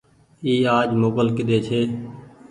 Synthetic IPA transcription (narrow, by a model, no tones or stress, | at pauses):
iːaːd͡ʒmoːbəlkɪd̪eːt͡ʃʰeː